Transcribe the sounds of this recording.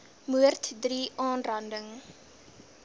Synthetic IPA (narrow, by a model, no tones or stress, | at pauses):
muərt̪ʰdriːʔɑːnrɐndəŋ